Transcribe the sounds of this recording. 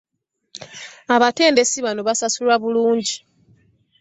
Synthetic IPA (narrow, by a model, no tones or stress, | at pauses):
aβate̞ːnde̞siβano̞βasasulwaβuluːɲɟi